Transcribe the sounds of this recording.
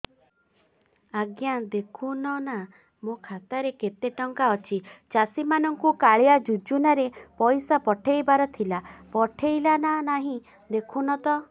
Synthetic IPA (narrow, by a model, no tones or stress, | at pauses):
aɡjad̪ekʰunɔna | mokʰat̪aɾeket̪eʈɔŋkaɔt͡ʃʰit͡ʃasimanɔŋkukaɭijad͡ʒud͡ʒunaɾepɔjsapɔʈʰejbaɾɔt̪ʰilapɔʈʰejlananaɦĩ | d̪ekʰunɔt̪ɔ